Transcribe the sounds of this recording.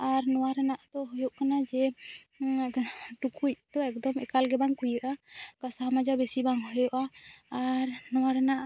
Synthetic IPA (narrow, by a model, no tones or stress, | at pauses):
aɾnɔwaɾɛnaʔt̪ɔɦɔjɔʔkanad͡ʒɛ | ʈukʰuc̚t̪ɔɛk̚d̪ɔmɛkalɡɛbaŋkujəʔakasamad͡ʒabɛsibaŋɦɔjɔʔaaɾnɔwaɾɛnaʔ